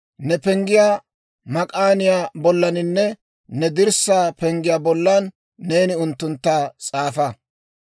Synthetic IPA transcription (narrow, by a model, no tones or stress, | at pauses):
nɛpɛŋɡɪjaː | mɐkʼaːnɪjaːbɔlːɐnɪnːɛ | nɛd̪ɪɾsːaːpɛŋɡɪjaːbɔlːɐnː | e̞ːnɪʊnt̪ːʊnt̪ːaːt͡sʼaːfɐ